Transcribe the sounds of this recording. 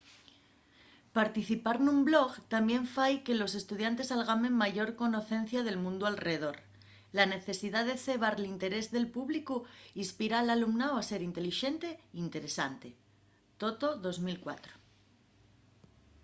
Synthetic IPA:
paɾt̪iθipaɾnumblo̞ɣt̪ambjẽ̞ɱfajke̞lo̞se̞st̪uð̞jant̪e̞salɣ̞amẽ̞ŋmaʝo̞ɾko̞no̞θe̞nθjaðe̞lmũnd̪ualreeðo̞ɾ | lane̞θe̞siðaðe̞θe̞β̞aɾlint̪e̞ɾe̞zðe̞lpuβlikuispiɾaːlalumnawase̞ɾint̪e̞liʃe̞nt̪e̞int̪e̞ɾe̞sant̪e̞ | t̪o̞t̪o̞ðo̞zmilkwa̰t̪ɾo̥

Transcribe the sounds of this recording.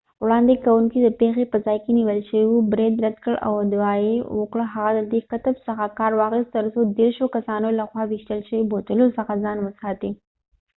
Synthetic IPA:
wɽɑnd̪ekawuŋkid̪əpexepəzɑjkeniwəlʃəwiwubɾed̪ɾad̪kəɭa̰wd̪wɑjewəkɽəɦaɣad̪əd̪ekat̪əbsəxakɑɾwɑɣəst̪əɾsod̪eɾʃokasɑnolaxwɑwiʃt̪əlʃəibot̪əlosəxazɑnwəsɑt̪i

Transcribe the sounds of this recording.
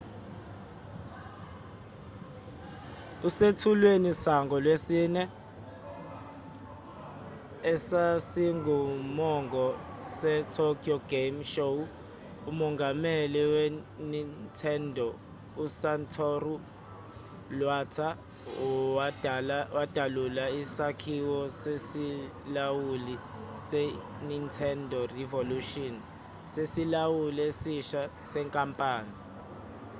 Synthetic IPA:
usetʰulwenisaŋɡʱɔlwesiːnɛ | ɛsasiŋɡʱumɔŋɡʱɔ | sɛtʰɔkʰiɔɡ̥emʃou | umɔŋɡʱamɛliwenintʰɛndʱɔ | usantʰɔru | lwaːtʰa | wad̥ʱalulaisakʰiwɔsesi | lawuli | sɛ | nintʰɛndʱɔrivoluʃɔn | sesilawuliesiʃasɛŋkʼampʼaːni

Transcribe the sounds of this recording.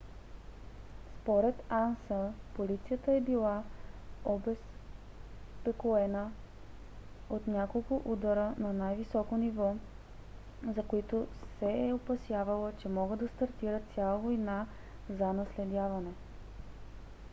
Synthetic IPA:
spoɾɛt̪ansəpolit̪sijət̪əɛbilˠa | obɛs | pɛkoɛnə | ot̪nʲakolˠkʊʔud̪ɐɾənɐnajvisɔkonivɔ | zɐkoit̪osɛɛopɐsjavɐlˠət͡ʃɛmɔɡəd̪d̪ɐst̪ɐɾt̪iɾət̪sʲjalˠəvojna | zɐnɐslɛd̪ʲjavɐnɛ

